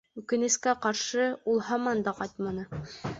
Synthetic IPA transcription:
ʉkɘ̆nɘ̆skæqɑɾʃɤulˠɦɑmɑnd̪ɑqɑjt̪mɑnɤ

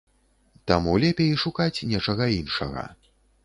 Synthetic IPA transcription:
t̪amulʲɛpʲejiʂukat͡sʲnʲɛt͡ʂɐɣɐinʂɐɣɐ̰

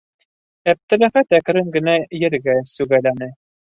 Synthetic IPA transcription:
æp̚t̪ɘ̆læ̆χæt̪ækɾɘŋɡɘ̆næjɘ̆ɾɡæsʉɣælænɘ

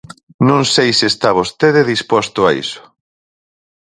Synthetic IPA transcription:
nũŋsejsɪest̪aβ̞ost̪eðeðispɔst̪ʊaḭsʊ̥

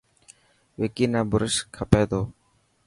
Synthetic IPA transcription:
ʋeːkiːnãːbʊɾɪʃkʰəpeːd̪oː

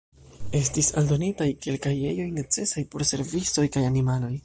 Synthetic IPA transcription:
e̞stisa̰ldo̞nitajke̞lkaje̞jo̞jne̞t͡se̞sajpo̞ɾse̞ɾvit͡so̞jkajanimalo̞j

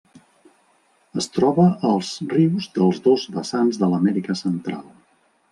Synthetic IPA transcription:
əst̪ɾɔβəʔəlˠzriwzðəlˠzðozβəsanzðələmɛɾikəsənt̪ɾa̰lˠ

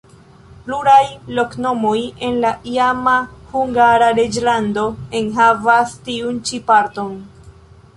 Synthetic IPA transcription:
pluɾajlo̞kno̞mo̞je̞nlaʔiamahuŋɡaɾaɾed͡ʒlando̞e̞nɦavastiunt͡ʃipaɾto̞n

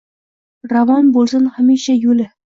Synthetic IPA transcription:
ɾavɑnbolˠsɪnhamiʃajɵlɪ

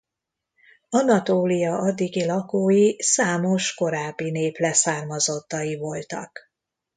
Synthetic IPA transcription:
ɒnɒt̪oːlijɒʔɒd̪ːiɡilɒkoːjisaːmo̞ʃko̞ɾaːbːineːplɛsaːrmɒzo̞t̪ːɒjivo̞lt̪ɒ̰k

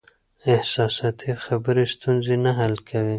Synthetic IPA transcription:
ɪhsɑsɑt̪ʰixabəɾist̪unzinaɦalkʰawi

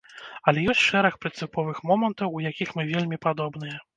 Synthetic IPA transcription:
ɐlʲɛjɔsʲt͡sʲʂɛɾɐxpɾɨnt̪sɨpɔvɨxmɔmɐnt̪ɐwujakʲixmɨvʲelʲmʲipad̪ɔbnɨjɛ

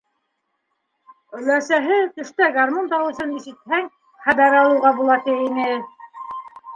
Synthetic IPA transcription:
ɵ̆læsæɦɘt̪ɘ̆ʃt̪æɡarmunt̪ɑwɤ̆sɤniʃɘ̆t̪hæŋ | hæd̪ɑɾɑlˠɤ̆wʁɑbulˠɑt̪iinɘ

